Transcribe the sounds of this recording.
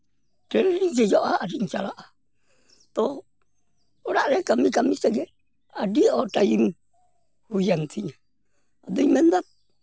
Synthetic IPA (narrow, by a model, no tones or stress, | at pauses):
ʈɛɾɾid͡ʒɛjɔʔaaːɾiɲt͡ʃalaʔa | t̪ɔ | ɾaʔɾɛkamikamisɛɡɛ | adiɔʈajiŋ | hujant̪ʰiɲa | ad̪ujmɛnd̪at̪̚